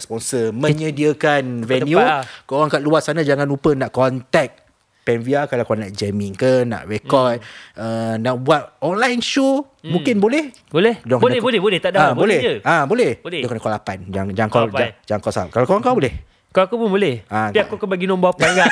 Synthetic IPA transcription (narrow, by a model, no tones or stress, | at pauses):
spɔnsəmə̃ɲədiəkanvɛnjukowaŋkaʔ̚luassanad͡ʒaŋãnupənaʔkɔnt̪ɛk̚ | pɛnviakalawkaanaʔd͡ʒɛmiŋkənã̰ʔrɛkɔt̪̚ənaʔbuat̪̚ɔnlajnʃu | mũŋkɪnbolɛh | bolɛhdaŋkaɛolɛbolɛht̪adaabolɛəabolɛhdokankɔlapand͡ʒad͡ʒaŋkaad͡ʒaŋkawsaap̚kalakowaŋkabolɛh | kaakupunbolɛhapiakukubaɡinɔ̃mbɔpaŋɡa